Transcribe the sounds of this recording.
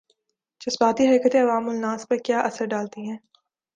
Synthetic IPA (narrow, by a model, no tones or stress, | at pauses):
t͡ʃʊsbaːt̪iɦɐkət̪ẽɐʋaːmʊlnaːspɐɾkjaːʔɐsəɾɖaːlt̪iɦɛ̃ː